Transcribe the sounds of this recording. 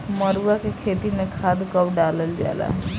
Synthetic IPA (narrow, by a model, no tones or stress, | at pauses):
məɾuakekʰet̪imekʰad̪kəbɖaləld͡ʒa̰ela̰